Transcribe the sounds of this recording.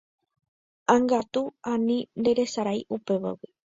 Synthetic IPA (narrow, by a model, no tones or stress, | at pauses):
aŋɡat̪uanĩnd̪eɾe̞saɾajʔupe̞βa̰wi